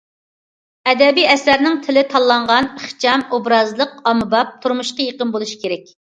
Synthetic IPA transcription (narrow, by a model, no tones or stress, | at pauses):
ɛd̪ɛbijɛsæɾnɪŋt̪ʰɪlɪt̪ʰɑlˠːɑɴʁɑnəχt͡ʃʰɑmobɾɑzlˠəqɑmɨbɑp̚t̪ʰuɾmuʃqɑjeqənbolˠuʃi̥kʲʰeɾɛkʲ